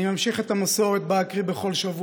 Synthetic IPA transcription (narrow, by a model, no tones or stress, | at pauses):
imamʃiχet̪amaso̞ʁet̪̚baakʁibe̞χo̞lʃavu